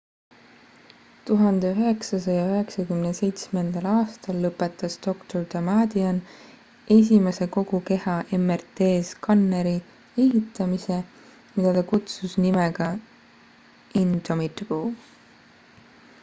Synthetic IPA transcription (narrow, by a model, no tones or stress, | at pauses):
t̪uɦɑnd̪̥e̞øɦe̞ksɑsɑjɑøɦe̞ksɑkymnese̞jt̪sme̞nd̪̥ɑlɑːst̪ɑlːɤpːˑet̪ːˑɑsd̪̥o̞kt̪o̞rt̪ɑmɑd̪iɑn | e̞s̬ʲimese̞ko̞ɡ̥uke̞hɑʔe̞mːert̪e̞ːskɑnːeɾi | e̞ɦit̪ːˑɑmise̞ | mid̪̥ɑt̪ɑkut̪susnimeɡ̥ɑ | int̪omit̪b̥oː